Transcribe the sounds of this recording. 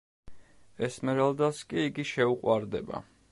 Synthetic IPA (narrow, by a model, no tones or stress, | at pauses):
ɛsmɛɾald̪askʼiːɡiʃɛuqʼwaɾd̪ɛ̰ba̰